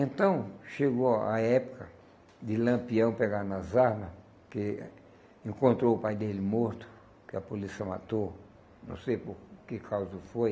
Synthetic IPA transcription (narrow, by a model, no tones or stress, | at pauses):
ẽnt̪ɐ̃w̃ʃeɡoa̰ɛpʊ̥kɐ | d̪ɪlɐ̃mpiɐ̃w̃peɡaɾnɐzaɾmɐ | ke | ẽŋkõnt̪ɾoʊpajd̪elɪmoɾt̪ʊ̥ | kɪɐpolisiɐma̰t̪o | nɐ̰̃w̃sejpoɾkekʰawzʊfoj